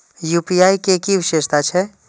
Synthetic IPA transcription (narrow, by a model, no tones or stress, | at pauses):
juːpiaːikekiʋɪʃeːʃt̪at͡ʃʰɛ